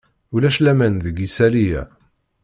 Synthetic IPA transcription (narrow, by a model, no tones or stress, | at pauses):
ulæʃlæmænðəɡisælijæ̰